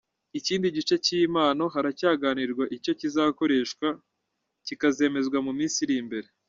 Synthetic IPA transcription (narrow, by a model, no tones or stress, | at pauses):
iciːndiɟit͡ʃe̞ciːmaːno̞ɦaɾacaːɡaniɾɡwaʔico̞cizako̞ɾe̞ʃkwa | cikaze̞ːme̞zɡwamumiːnsiɾimbe̞ɾe̞